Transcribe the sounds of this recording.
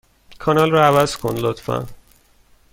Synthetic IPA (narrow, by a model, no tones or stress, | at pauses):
kʰɒnɒlrɒævæzkʰonlot̪fæ̰n